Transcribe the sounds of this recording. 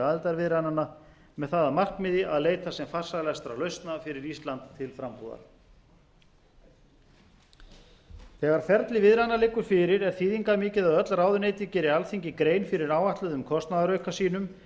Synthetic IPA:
aðɪlt̪aɾvɪðɾanana | mɛðθaːðamar̥kmɪðɪʔaðleːjt̪asɛmfar̥saɣlɛɣast̪ɾawlœɥst̪nafɪɾɪɾist̪lant̪ʰːɪlfɾampuða̰ɾ̥ | θɛːɣaɾ̥fɛɾt̪lɪvɪðɾanalɪːkːʏɾ̥fɪɾɪɾɛɾ̥θiːðiŋkamɪːcɪðaðœt̪lraːwðʏneːjt̪ɪcɛːɾɪalθiɲcɪkɾeːjnfɪɾɪɾaːwaht̪lʏðʏmkʰɔst̪naðaɾœɥkasiːnʏm

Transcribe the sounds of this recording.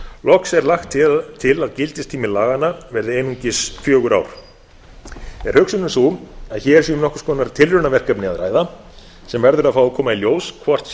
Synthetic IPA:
lɔksɛɾlaxt̪ʰːɪt̪ʰːɪlaðcɪlt̪ɪst̪ʰiːmɪlaːɣanavɛɾðɪeːjnuɲcɪsfjœːɣʏɾa̰ːwɾ̥ | ɛɾ̥hʏksʏnʏmsumaðçɛːɛɾ̥s̬iʏmnɔhkʏ̥skʰɔːnaɾ̥t̪ʰɪlrʏnavɛr̥kœpnɪa̰ðɾaːjða | sɛmvɛɾðʏɾaðfawðkʰɔːmailjoːwskʰvɔr̥t̪

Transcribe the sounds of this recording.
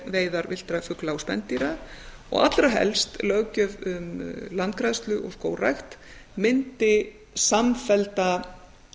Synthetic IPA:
veːjðaɾvɪl̥t̪ɾafʏklawspɛ̰nt̪iɾa | ɔ̰ɣat̪lɾaɦɛ̰lst̪lœɣcœvʏmlant̪̚kɾajðst̪lʏʔɔ̰sko̰ːwrajxt̪mɪnt̪ɪ | samfɛlt̪a

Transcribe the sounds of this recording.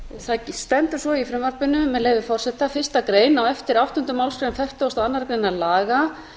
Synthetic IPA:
θaðst̪ɛnt̪ʏɾ̥svɔifɾɪmvar̥pɪnʏːɛðleːjvɪfɔr̥sɛht̪afɪrst̪akɾeːjnawɛft̪ɪɾawht̪ɔʏnt̪ʏmawlskɾejnfɛr̥ht̪awst̪aanːaɾkɾejnalaːɣa

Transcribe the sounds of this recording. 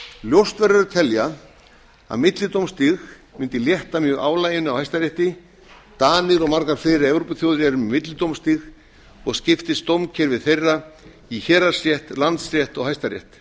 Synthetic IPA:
ljowst̪vɛɾaɾʏɾt̪ʰɛlja | a̰ðmɪt̪lɪt̪owmst̪ɪx | mʏnt̪ɪljɛht̪amjœːɣaːwlaːjɪnʏawhajst̪aɾjɛht̪ɪ | t̪aːnɪðɔɣmaɾkaɾ̥fɪːɾɪɛvɾopʏθjowðɾjɛɾʏmmɪt̪lɪt̪owmst̪ix | ɔɣscɪft̪ɪst̪owmcʰɛɾvɪðθejrːa | içɛːɾaɾ̥sjɛht̪lant̪srjɛht̪ɔɣɦajst̪aɾjɛ̰ht̪

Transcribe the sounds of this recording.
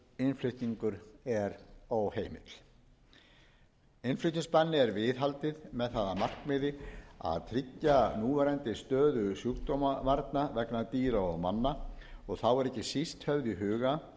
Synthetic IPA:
ɪnflʏht̪niŋkʏɾɛɾoːwheːjmɪ̰t̪l̥ | ɪnflʏht̪ĩŋspanːɪɛɾvɪðɦalt̪ɪðmɛðθaːðamar̥kmɪðɪa̰ðt̪ʰɾɪcːanuːvɛɾɛnt̪ɪst̪œːðʏsjukt̪omavaɾt̪navɛknat̪iːɾaɔɣmanːaɔɣθawɛɾɛhcːɪsist̪hœvðiɦʏːɣa

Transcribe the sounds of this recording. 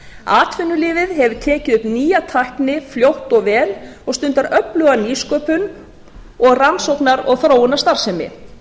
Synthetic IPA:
a̰ːt̪ʰvɪnːʏlɪːvɪðɦɛvʏ̥t̪ʰɛːcɪðʏpniːjat̪ʰahknɪfljowht̪ɔɣvɛːlɔɣst̪ʏnt̪aɾʔœplœɣaniːskœːpʏn | ɔɣransowknaɾɔɣθɾaːwʏnːast̪aɾ̥sɛmɪ̰

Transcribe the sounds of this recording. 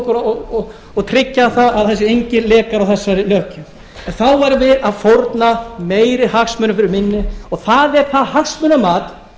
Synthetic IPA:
kʏɾɔɔ | ɔɣt̪ʰɾɪcːaθaaðθɛsːɪejɲcɪlɛːkaɾawθɛsːaɾɪlœːhcʏ | ɛnθawvaɾvɪðaðfoɾt̪nameːjɾɪhaksmʏnʏfɪɾɪɾmɪnːɪɔɣθaðɛɾ̥θaðhaksmœnamaːt̪

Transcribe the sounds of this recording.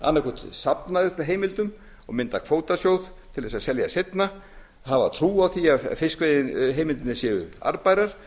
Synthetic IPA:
a̰nːakʰut̪sapnaʏhpɦeːjmɪlt̪ʏm | ɔɣmɪnt̪akʰfoːwt̪asjowðt̪ʰɪlðɛsasɛljasɪt̪na | hava̰t̪ʰɾuːawθia̰fɪskveðɦeːjmɪlt̪ɪnːɪsjɛʏa̰ɾpajɾaɾ̥

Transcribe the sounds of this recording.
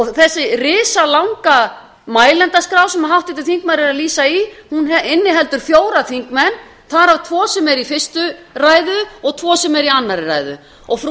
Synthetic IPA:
ɔɣθɛsːɪrɪːsalawŋka | maːjlɛnt̪askɾaːwsɛmaɦawht̪ɪt̪ɪθiŋk̚maɾɪɾaðliːsaihunɛɪnːɪɦɛl̪t̪ʏɾ̥fjoːwɾaθiŋkmɛnː | θaɾavt̪ʰvɔːsɛmɛɾifɪr̥st̪ʏraːjðʏɔɣt̪ʰvɔːsɛmɛɾianːaɾɪra̰ːjðʏ̰ | ɔɣf

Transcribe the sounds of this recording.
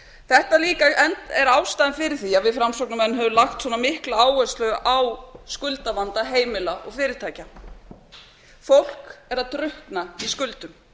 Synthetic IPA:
θɛht̪aliːkaɛnt̪ɛɾaːwst̪aːðɪnfɪɾɪθiavɪfɾamsɔwknʏmɛnːɦɛvʏmlaxt̪swɔnamɪhklaaːwɛst̪lœɣʔawskʏlt̪avant̪aɦeːjmɪlaʔɔɣfɪːɾɪɾ̥t̪ʰaːjca | fowl̥kɛɾaðt̪ɾʏhknaiskʏlt̪ʏm

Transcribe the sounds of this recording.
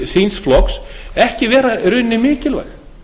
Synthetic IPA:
sinsflɔksɛhcɪvɛːɾaɾʏnːɪmɪːcɪlva̰j

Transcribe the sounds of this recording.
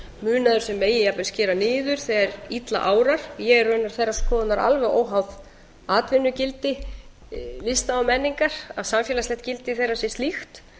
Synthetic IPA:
mʏːnaðʏɾsɛmːeːjɪjapɛnscɛːɾanɪːðʏɾ̥θɛɣaɾit̪la̰ʔaːwɾaɾ̥jɛɣɛɾrʏnaɾ̥θejrːaɾskʰɔːðʏnaɾa̰lvɛɣoːwɦawð | aːt̪vɪnːʏcɪlt̪ɪ | lɪst̪aawmɛnːiŋkaɾ̥aðsamfjɛːlaslɛht̪̚cɪlt̪ɪθejrːasjɛst̪lixt̪

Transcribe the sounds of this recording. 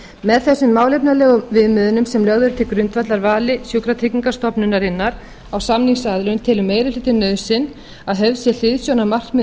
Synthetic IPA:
mɛðθɛsːʏmːaːwlejpnalɛːɣʏmvɪðmʏðʏnʏmsɛmlœɣðʏɾt̪ʰɪkɾʏnt̪vat̪laɾvaːlɪsjowkɾat̪ʰekniŋkast̪ɔpnʏnːaɾɪnːaɾ | awsamniŋsaðlœnt̪ʰɪlʏmːeːjɾɪlɪt̪ɪnœːðsɪn | aðɦœvsjɛl̥ɪðsjɔnamar̥kmɪ

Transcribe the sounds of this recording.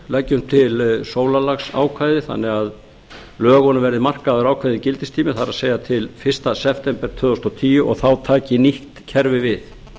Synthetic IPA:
lajcːʏmt̪ʰɪlsoːwlalaxsa̰ːwkʰvajðɪθa̰nːɛɣað | lœːɣɔnʏvɛɾðɪmar̥kaðʏɾaːwkʰvajðɪcɪlt̪ɪst̪ʰiːmɪθaɾaðseːjat̪ʰɪlfɪr̥st̪asɛpʰt̪ɛmpɛɾ̥t̪ʰvœːðɔst̪ɔt̪ʰiːjʏʔɔ̰ɣθawt̪ʰaːcɪniht̪cʰɛɾvɪvɪθ

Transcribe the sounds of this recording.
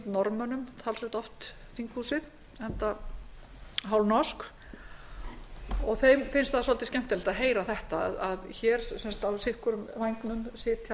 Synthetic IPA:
t̪nɔɾmœnʏmt̪ʰalsʏt̪ɔft̪ | θiŋkʰhusɪð | hɛnt̪a | ɦawlnɔsk | ɔɣθejmfɪnst̪θaðsɔlt̪ɪscɛm̥t̪ɛlt̪aðɦeːjɾaθɛht̪aðaðçɛːɾ̥sɛnst̪awsɪhkʏɾʏmvajŋknʏmsɪːt̪ʰa

